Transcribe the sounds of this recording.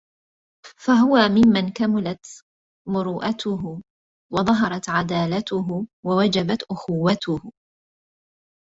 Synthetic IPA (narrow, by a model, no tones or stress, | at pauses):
faɦʊwamɪmːankamʊlat̪ | mʊɾuːʔat̪ʊɦʊ | wɑðˤɑɦɑɾˤɑt̪ʕad̪aːlat̪ʊɦʊwawad͡ʒabat̪ʔʊxʊwːat̪ʊhʊ